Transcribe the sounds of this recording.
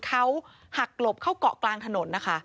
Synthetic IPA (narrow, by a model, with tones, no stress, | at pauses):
kʰa˦˥w | ha˨˩k̚lo˨˩p̚kʰa˦˥˩wkɔ̰˨˩ʔklaː˧ŋt̪ʰa˧no˩˦nːa˦˥kʰa˦˥ʔ